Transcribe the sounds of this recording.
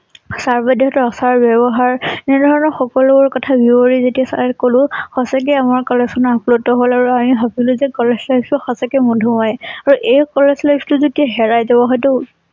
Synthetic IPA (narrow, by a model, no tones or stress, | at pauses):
saɹbɔdiɦɔtɔɔsaɹbɛbɔɦaɹnidʱɔɹɔnɔɹxɔkɔluɹkɔtʰabioɹizetiasa̰ɛkolʊ̃xɔsak̬ɛamaɹkɔleksɔnɔɹaplotɔɦolaɹuamibʱabilʊzɛkɔlezlajbstɔxɔsakɛmɔdʱumajaɹuʔejkɔleslajbstʊzotiaɦɛɹajzabɔɦɔjtʊ